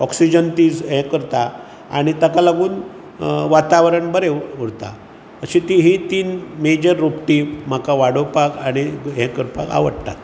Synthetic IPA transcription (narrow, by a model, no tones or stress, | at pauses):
ɔksid͡ʑənt̪iːd͡zɦɛ̃kəɾt̪a | a̰ɽ̃it̪əkalaɡuːn | ʋat̪aʋɾəɳbəɾeuɾt̪a̰ | əɕĩt̪iɦit̪iːnmed͡ʑəɾːopʈiːm̤akaʋaɽopakaɽ̃iɦẽkəɾpa̰ka̰ʋə̰ɽt̪a̰t̪